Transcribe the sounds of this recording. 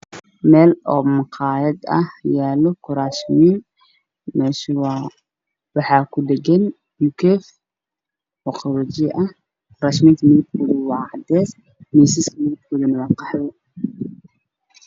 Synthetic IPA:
mɛːlɔːmɑqʰɑːjɐd̪ɐ̰jaːlɔkʰʊɾaːʃmiːn | mɛːʃwɑ | wɑħɑːkʰʊd̪ɛɡɛn | mukʰɛf | ɔːqʰɑwɔd͡ʒɛʔɐh | kʰʊɾaʃmiːnt̪ʰɐmɪðɪb̚kʰɔðɐwɑːʕɑd̪ɛːs | misiskʰɐmɪðɪb̚kʰɔːðɐnɐwɑːqɑħðɔ

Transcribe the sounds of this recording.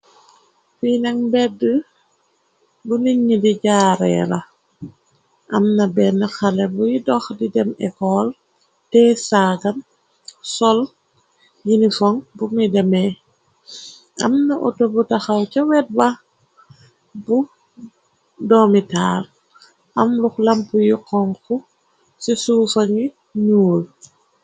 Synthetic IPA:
finaŋbɛdə | buniɲːidiɟaːɾɛ̰lɐ̰ | ʔɐ̰mnɐbɛnɐxalɛbujidɔxdidɛmɛ̰kɔl | tɛsaːɡɐn | sɔl | jinifɔŋbumidɛmɛ | ʔɐ̰mnɐʔɔtobutɐxɐwt͡ʃɐwɛt̚bɐ | bu | dɔːmitaːr | ʔɐmluxlɐmpujiqɔŋku | sisuːfɐŋi | ɲuːl

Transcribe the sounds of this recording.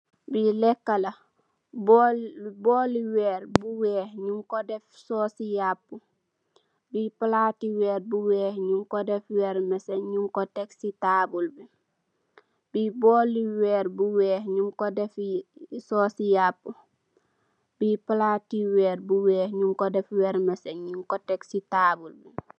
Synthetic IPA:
bilɛkːalɐ | b | bɔːliwɛːɾbuwɛːhɲuŋkɔdɛfsɔːsijapːu | bipalaːtiwɛːɾbuwɛːhɲuŋkodɛfwɛːɾmɛsɛɲuŋkɔtɛksitaːbulbi | b̥ibɔːliwɛːɾbuwɛːhɲuŋkɔdɛfsɔːsijapːu | bipɐlaːtiwɛːɾbuwɛːhɲuŋkɔdɛfwɛɾmɛsɛnɲuŋkɔtɛksitaːbulbi

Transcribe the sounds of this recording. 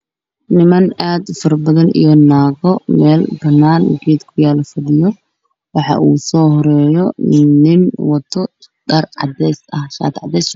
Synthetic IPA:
nɪmɐnaːd̪fɐrbɐðɐnḭjɔnaːɣɔmɛːlbɐnaːnɡiːd̪kʰʊjaːlɐfɐðɪjɔ | wɑħɑ̰ʔuːsɔːhɔɾɛːjɔnɪnwɐt̪ʰɔ | ɖɐrʕɑ̰d̪ɛsɐhʃa̰ːt̪ʕɑ̰d̪ɛs

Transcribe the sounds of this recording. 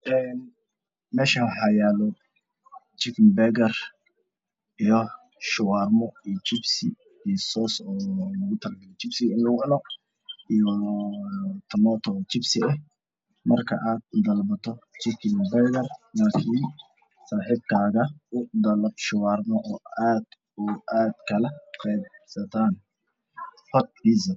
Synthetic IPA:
ʔɛːn | mɛːʃɐħɑjaːlɔ | t͡ʃɪkɪmbɛɡɐr | ʔijɔ | ʃʊwaːrmɔijɔt͡ʃɪbsɪ | ijsɔːsɔːlɐɣʊt̪ʰɐlɡɐjt͡ʃɪbsɪɣɪnlɐɣʊʔɐlɔ | ijɔ | t̪ʰɐmɔːt̪ʰɔt͡ʃɪbsɪɛh | mɐrkʰɐ̰ʔaːd̪̚ʊd̪ɐlbɐt̪ʰɔt͡ʃɪkʰɪnbɛjdɐrlaːkʰin | saːħiːb̚kʰaːɣɐʔʊd̪ɐlɐb̚ʃʊwɑːrmɔʔɔːaːd̪ | ʊʔaːd̪̥kʰɐlɐqɛjbsɐt̪ʰaːn | hɔt̪̚ħizɐ

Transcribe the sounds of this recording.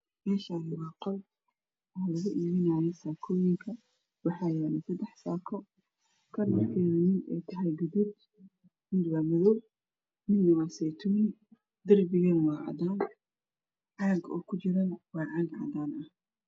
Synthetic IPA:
mɛːʃaːnɪwɑːqɔl | ɐhlɐɣʊʔiːmɪnaːjɛsaːkʰɔːjɪŋkʰɐ | wɑħɑːjɛnɐsɐd̪ɛħsaːkʰɔ | kʰɐnɐkʰɛjnɪnɛjt̪ʰɐɦɛjɡʊd̪ʊb | mɪd̪waːmɐðɔb | mɪnːɐwaːsɛt̪ʰuːnɪ | d̪ɐrbɪɣɐnwɑːʕɑ̰d̪aːn | ʕɑːɡɔ̰ːkʰʊt͡ʃɪɾɐnwɑːʕɑːɡʕɑ̰d̪aːnʔɐh

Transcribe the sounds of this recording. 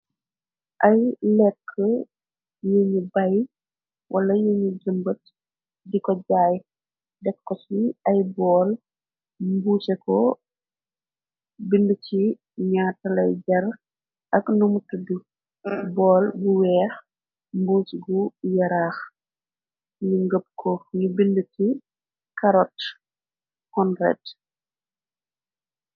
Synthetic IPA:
ʔɐjlɛkʰːə | jeɲubɐj | wʔɐlɐjeɲuɡəmbət̚ | dikɔɟaːj | dɛkːɔsiɐjbɔːl | mbuːsɛkɔ | bindut͡ʃi | ɲaːtːɐlɐjɟɐr | ɐknumutudu | bɔːlbuwɛːx | mbuːt͡ʃiɡujɐɾaːx | ɲiŋɡəp̚kʰɔɲubindəti | kɐɾɔt | hɔnrɛ̰t

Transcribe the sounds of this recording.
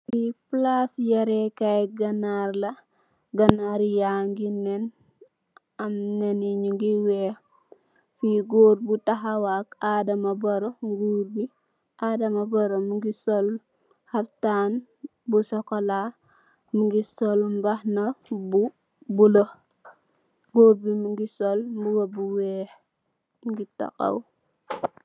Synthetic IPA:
biplasjaɾekajɡanaɾlɐ | ɡanaɾjaŋɡinen | ɐmneniɲuŋɡiwe | fiɡoːɾbutaɦawakadamaboɾoɡuːɾbi | adɐmɐboɾomuŋɡisɔl | haftaːn | busɔkola | muŋɡisɔlmbahnɐbu | bulo | ɡoɾbimuŋɡisɔlmbuwɐbuwɛːh | mɡita̰ka̰w

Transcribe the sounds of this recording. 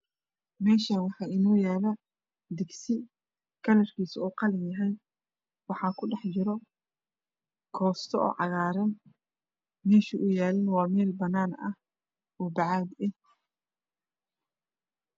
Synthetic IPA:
mɛːʃɐwɑħɑːɪnɔːjaːlɐ | d̪ɪɡsɪ | kʰɐlɐrkʰiːsuːqɑlɪnjɐɦɛj | wɑħɑːkʰʊɖɛħt͡ʃɪɾɔ | kʰɔːst̪ʰɔɔ̰ːʕɑ̰ɣaːɾɐn | mɛːʃiʔʊjaːlɪnwɑːmɛːlbɐnaːnɐ̰h | ɔːbɑʕɑːd̪ɛ

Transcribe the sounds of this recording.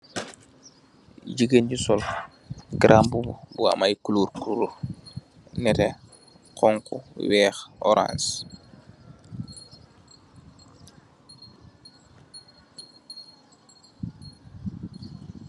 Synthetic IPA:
ɟiɡənɟusɔl | ɡɾʔambububuwa̰majkuluːɾkuɾo | nɛte | qɔŋkṵwɛːxo̰ɾã̰ns

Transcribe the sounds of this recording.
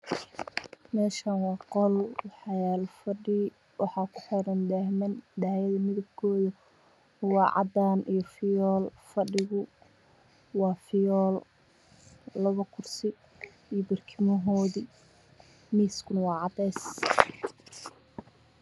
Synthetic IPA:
mɛːʃanwɑːqɔlwɑħɑjaːlfɐɖɪ | wɑħɑːkʰʊ̥ħɔɾɐnd̪aːhmɐnd̪aːjɐðɐmɪðɐb̚kʰɔːðɐ | wɑːʕʔɑ̰d̪aːnijɔfɪjɔːlfɐɖɪɣʊ | wɑːfɪjɔːl | lɐβɐkʰʊrsɪ | ijɔbɪrkʰɪmɔɦɔːði | miːskʰʊnɐwɑːʕɑd̪ɛjs

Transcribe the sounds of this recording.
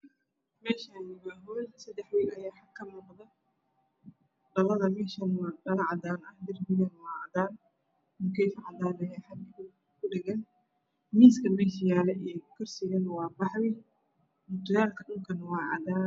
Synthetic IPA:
mɛːʃanɪɣɐɦɔːlsɐd̪ɛħwiːlɐjaːħɐkʰɐmʊːqd̪ɐ | ɖɐlɐðɐmɛːʃɐnwɑːdɐlɐʕɑd̪aːnɐhd̪ɪrbɪɣɐnwɑːʕɑd̪aːn | mʊkʰɛjfʕɑd̪aːnɐjaːħɑd̪ɪʊ | kʊɖɛɣɐn | miːskʰɐmɛʃ̬ɪjaːlɛʔɛːkʰʊrsɪɣɐnwɑːbɑħwɪ | mʊt̪ʰʊjaːlkʰɐɗʊŋkʰɐnɐwɑːʕɑ̰d̪aː

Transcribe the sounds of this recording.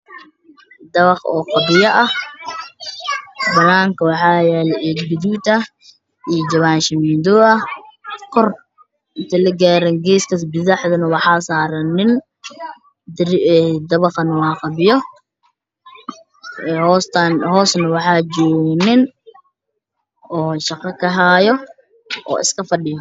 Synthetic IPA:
d̪ɐβɑqɔ̰ːqɑbɪjɐʔɐh | bɐnaːŋkʰɐwɑħɑːjɛːlɛʔɛːɡbʊd̪uːt̪ʰɐ | ijɔd͡ʒɐβaːnʃɐmiːnd̪ɔːɐkʰɔr | ɪnt̪ʰɐlɐɡaːɾɛnɡɛːskʰɐsbɪðɑħd̪ɐnɐwɑħɑːsaːɾɐnɪn | ɛd̪ɐβɐqɐnɐwɑːqɑbɪjɔ | hɔst̪ʰɐnɦɔːsnɐwɑħɑːd͡ʒɔːɡnɪn | ɔːʃɑqɑkʰɐɦaːjɔ | ʔɔ̰ːɪ̰skʰɐfɐɗɪjɔ

